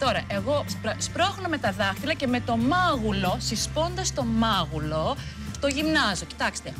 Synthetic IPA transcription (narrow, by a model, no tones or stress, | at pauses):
t̪o̞ɾɐʔeɣo̞spɾspɾoxonome̞t̪ɐðɐxt̪ilɐce̞me̞t̪o̞mɐɣulo̞sispo̞nd̪ɐst̪o̞mɐɣulo̞ | t̪o̞ʝimnɐzo̞ci̥t̪ɐkst̪e